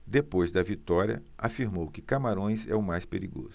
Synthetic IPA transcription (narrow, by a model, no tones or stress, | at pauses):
d̪epojzd̪ɐvit̪ɔɾiɐ̰a̰fiɾmowkɪkamaɾõj̃zɛ̰ʊmajspeɾiɡo̰zʊ